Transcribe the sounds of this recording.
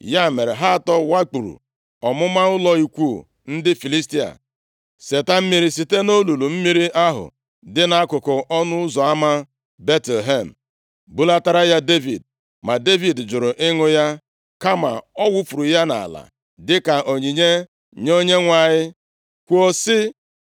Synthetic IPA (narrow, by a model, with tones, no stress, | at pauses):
ja˦˨me˨ɾe˨ɦa˦˨tɔ˦wa˦k͡pu˨ɾṵ˨ | ɔ˨mʊ˦ma˦ʊ˦lɔ˦i˨kʷu˦˨ | n̩˦dɪ˦fi˨li˦sti˦a̰˨ | se˨ta˦m̩˦mi˦ɾi˦si˨te˦no˦lu˨lu˨m̩˦mi˦ɾi˦ʔa˦ɦʊ̰˨ | dɪ˦na˨a˦kʊ˨kʊ˨ʔɔ˦nʊ˦ʊ˦zɔ˨a˦ma˦ | be˦te˨lɦe˦˨m̩˨ | bu˦la˦ta˦ɾa˦ja˦de˦vḭ˨d | ma˨de˦vi˨dd͡ʒʊ˨ɾʊ˨ʔɪ˦ŋʊ˦ja˦ | ka˦ma̰˨ɔ˦wu˦fu˨ɾu˨ja˦na̰˨la̰˨ | dɪ˦ka˨ʔo˨ɲi˨ɲe˦ | ɲo˦ɲe˦ŋʷa˨ɲɪ˦ | kʷo˦sɪ˦